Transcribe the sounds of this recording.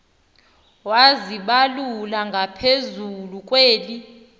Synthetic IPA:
waziɓalulaŋɡʱapʰezulukʼweːli

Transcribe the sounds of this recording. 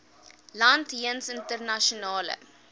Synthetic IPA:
lɐntɦiənsəntərnaʃonɑːlə̰

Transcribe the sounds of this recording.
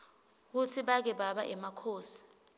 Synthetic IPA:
k̬ut͡sʰiɓak̬ɛɓaɓaʔɛmakʰoːsi̥

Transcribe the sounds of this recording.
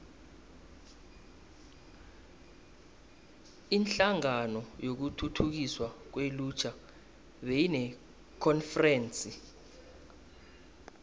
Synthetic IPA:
inɬaŋanɔjok̬utʰutʰuk̬iswak̬welut͡ʃʰa | ɓejinɛ | kʰɔnfrɛːnt͡sʼi

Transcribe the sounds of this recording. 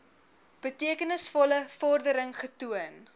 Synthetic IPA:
b̥ətiəkənəsfɔləfɔrdəɾəŋχətuən

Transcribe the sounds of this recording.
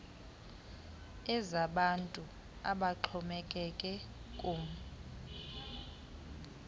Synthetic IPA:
ɛzaɓantʼu | aɓaǃʰɔmɛkʼɛkʼɛkʼuːm

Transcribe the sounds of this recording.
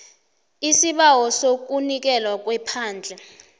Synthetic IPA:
isiɓawɔsok̬unik̬ɛlwak̬ʼwɛpʰaːnd͡ɮʱɛ

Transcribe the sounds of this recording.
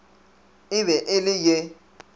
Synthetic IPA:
ɪβɛʔɪlɪje

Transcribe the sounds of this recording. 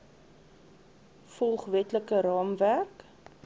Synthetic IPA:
fɔlˠχvɛtləkəɾɑːmværk

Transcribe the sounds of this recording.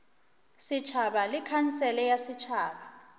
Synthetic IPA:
sit͡ʃʰaɓalikʰansɛlɛjasit͡ʃʰaːɓa

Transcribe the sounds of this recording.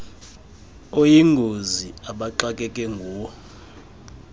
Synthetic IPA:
ojiŋɡʱoziaɓaǃakʼɛkʼɛŋɡʱuːwɔ

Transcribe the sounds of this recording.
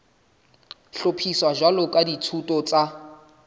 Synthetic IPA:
ɬopʰiswaʒwalʊkʼaditʰutʼɔt͡sʼa

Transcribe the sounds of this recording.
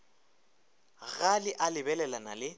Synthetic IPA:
ɣalɪʔalɪbɛlɛlanalɪ

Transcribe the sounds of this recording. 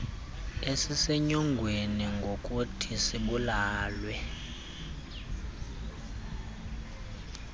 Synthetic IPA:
esiseɲɔŋɡʱweniŋɡʱokʼutʰisiɓulaːlwɛ

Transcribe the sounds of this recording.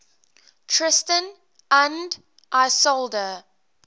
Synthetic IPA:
tʰɹ̥ɪstə̃n | ə̃nd | ʔaɪsolˠdə

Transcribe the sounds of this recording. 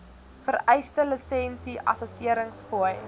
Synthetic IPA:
fərɛjstələsɛnsiʔɐ̰səsiəɾəŋspuəj

